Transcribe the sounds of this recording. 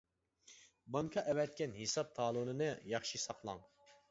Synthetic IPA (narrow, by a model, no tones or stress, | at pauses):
bɑŋkʰɑʔɛwɛt̪̚kʲɛnhesɑp̚t̪ʰɑːlˠunɨnɨjɑχʃisɑqlˠɑ̰ŋ